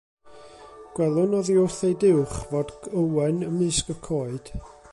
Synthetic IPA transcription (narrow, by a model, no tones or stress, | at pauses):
ɡ̥wɛlˠʊnɔðiʊrθejdɪwχvodəwɛnəmɨːskəkʰoːɨd̥